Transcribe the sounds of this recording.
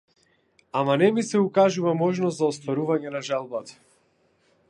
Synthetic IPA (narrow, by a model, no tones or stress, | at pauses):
amanɛmisɛukaʒuvamɔʒnɔszaɔst̪vaɾuvaɲɛnaʒalˠbat̪ḁ